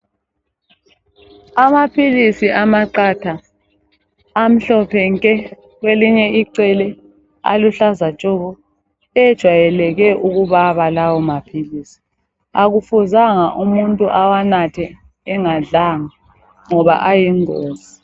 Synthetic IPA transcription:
amapʰilisiʔamaǀatʰa | m̩ɬɔpʰɛŋkʼɛ | ɣweliɲɛiǀɛlɛ | a̰luɬazat͡ʃʼɔɣɔ | ɛd̥ʒ̥ʱwajɛlɛɣɛʔuɣuβaβalawɔmapʰilisi̥ | aɣufuzaŋaʔumuntʼuʔawanatʰɛː | ŋaɮaŋa | ŋɔβa̰ʔajiŋoːzi

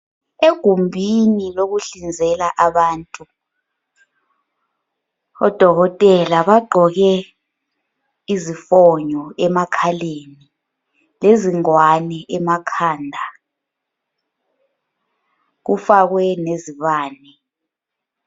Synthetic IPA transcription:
eɡ̥ʱumbʱinilok̬uɬind͡zʱɛlaʔaɓaːntʼu | ɔ̰d̥ʱɔɣɔtʼɛlaɓaɡ͡ǃʱɔɣɛ | izifɔɲɔɛmakʰaleni | leziŋwanɛʔɛmakʰaːndʱa | k̬ufak̬wɛneziɓaːnɛ

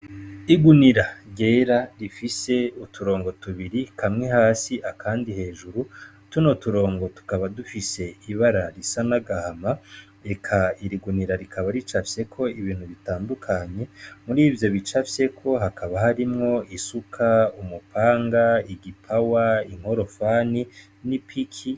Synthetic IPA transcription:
iɡuniɾaɟe̞ːɾaɾifise̞utʰuɾo̞ːŋɡo̞tuβiɾikʰamŋe̞haːsiʔakʰaːndihe̞ːʒuɾu | tunotuɾo̞ːŋɡo̞tu̥kaβadufise̞iβaɾaɾisanaɡahama | e̞kʰaiɾiɡuniɾaɾikʰaβaɾit͡ʃafje̞kʰo̞iβiːn̥huβitaːndukʰaɲe̞muɾiːvjo̞βit͡ʃafje̞kʰo̞ɦakʰaβahaɾimŋo̞isukʰaumupʰaːŋɡaiɡipʰawaiŋ̥o̞ɾo̞fani | nipʰikʰi

